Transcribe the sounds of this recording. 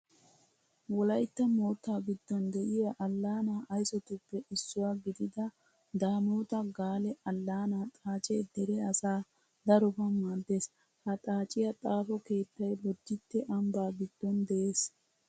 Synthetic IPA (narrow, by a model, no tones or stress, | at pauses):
wɔlɐjt̪ːɐmoːt̪ːaːɡɪd̪ːɔnd̪ɛʔɪjaʔɐlːaːnaːʔɐjsɔt̪ʊpːɛʔɪsːʊwaːɡɪd̪ɪd̪ɐ | d̪aːmoːt̪ɐɡaːlɛɐlːaːnaːt̪ʼaːt͡ʃʼeːd̪ɛɾɛɐsaː | d̪ɐɾɔbɐmaːd̪ːe̞ːs | hɐt̪ʼaːt͡ʃʼɪjɐt̪ʼaːfɔke̞ːt̪ːɐjbɔd͡ʒ̪ːɪt̪ːɛʔɐmbaːɡɪd̪ːɔnd̪ɛʔeːs